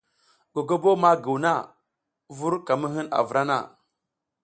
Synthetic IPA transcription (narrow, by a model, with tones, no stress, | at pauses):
ɡ̥o˨ɡo˦bo˦ma˦ɡu˨wna˦˨ | vu˦ɾka˨mə˦ɦi˦na̰˨vɾa˦na̰˦˨